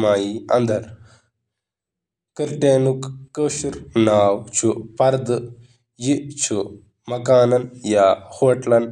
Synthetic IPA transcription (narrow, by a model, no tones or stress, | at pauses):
maːjiɐ̰nd̪ʱɐɾ | kəɾʈeːnukːəʃuɾnaːwt͡ʃʰupɐɾd̪ | jit͡ʃʰu | mɐkaːnɐnjaːhoːʈlɐn